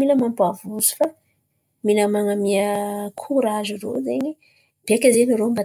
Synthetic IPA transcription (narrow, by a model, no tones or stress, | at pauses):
minəmampuavusu̥fa | minəmaŋamiəkʰuɾaziro̰zeɲi | b̥eakʲazeniɾomba